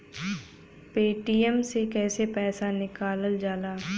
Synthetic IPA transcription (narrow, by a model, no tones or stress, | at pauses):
peːʈiəmsekɛːsepɛːsanɪkaːləld͡ʒaːlaː